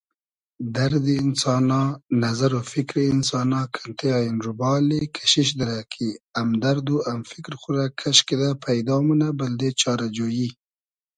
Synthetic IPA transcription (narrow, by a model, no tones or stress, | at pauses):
d̪aɾd̪iɪnsɑnɑnazaɾofɪkɾeɪnsɑnɑkʰḁnt̪eɑɪnɾubɑlekʰḁʃiʃ̬d̪ɪɾakʰiamd̪aɾd̪uamfɪkɾxuɾakʰaʃked̪apʰajd̪ɑmunabəld̪et͡ʃɑɾad͡ʒoji